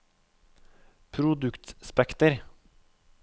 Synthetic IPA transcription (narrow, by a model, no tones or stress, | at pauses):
pʰɾʊd̪ʉkt̪spɛkt̪əɾ